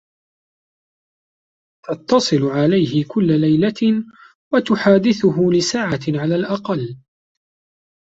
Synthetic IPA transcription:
t̪ɑt̪ːɑsˤɨlʕalajɦɪkʊlːalajla | wat̪ʊħaːd̪ɪθʊɦʊlɪsaːʕaʕalaːlʔɑqɑlː

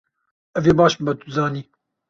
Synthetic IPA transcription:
ɛveːbɑːʃbɨbɛt̪uzɑːniː

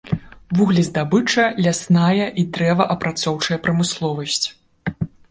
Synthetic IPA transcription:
vuɣlʲizd̪abɨt͡ʂɐlʲasnajɐʔid̪ɾɛvɐʔɐpɾat̪sɔwt͡ʂɐjɐpɾɐmɨslˠɔvɐsʲt͡sʲ

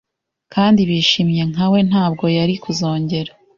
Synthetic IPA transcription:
kaːndiβiːʃiːmɲe̞ŋawe̞n̥aːb̚ɡo̞jaɾikuzo̞ːɲɟe̞ɾa

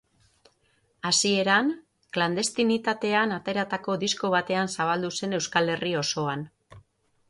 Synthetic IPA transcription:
asie̞ɾan | kland̪e̞st̪init̪at̪e̞anat̪e̞ɾat̪ako̞d̪isko̞β̞at̪e̞ansaβ̞ald̪use̞ne̞wskale̞rio̞so̞an

